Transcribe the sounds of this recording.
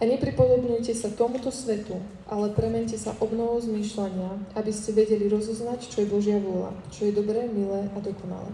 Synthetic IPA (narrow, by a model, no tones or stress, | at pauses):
aɲɛpɾipɔd̪ɔbɲujcɛsat̪ɔmut̪ɔsʋɛt̪u | ʔalɛpɾɛmɛɲcɛsaʔɔbnɔʋɔzmiːʃlaɲɪaabiscɛʋɛɟɛliɾɔzɔznact͡ʃɔjɛbɔʒɪaʋʊɔla̰t͡ʃɔjɛd̪ɔbɾɛːmilɛːʔad̪ɔkɔna̰lɛ̰ː